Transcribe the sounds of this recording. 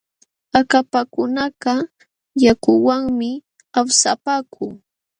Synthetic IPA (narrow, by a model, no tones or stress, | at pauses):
akapakʊnaɢɑ | jakʊwaŋmɪ | awsapaːkʰʊː